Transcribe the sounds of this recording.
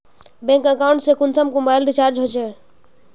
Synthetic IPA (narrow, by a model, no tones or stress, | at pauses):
bẽŋkəkauɳʈsẽkunsəmkũmbajlɾit͡ʃaɾd͡ʒɦot͡ʃʰɛ